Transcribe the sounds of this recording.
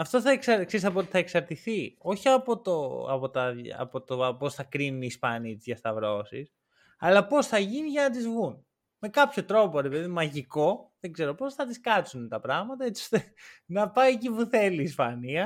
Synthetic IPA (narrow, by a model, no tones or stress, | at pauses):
ɐft̪o̞θɐeksɐkseisɐpot̪iθɐe̞ksɐɾt̪iθio̞çiɐpo̞t̪oɐ̰po̞t̪ɐɐ̰po̞t̪oposθɐkɾinuniːspɐnit̪izʝɐst̪ɐvɾo̞sis | ɐlɐpo̞sθɐʝiniʝɐnɐt̪izvɣun | me̞kɐpço̞t̪ɾo̞po̞ɾe̞pe̞ðimmɐʝiko̞ðeɡze̞ɾo̞po̞sθɐt̪iskɐt͡sunt̪ɐpɾɐɣmɐt̪ɐet͡si̥ost̪e | nɐpɐiecipuθe̞liːspɐniɐ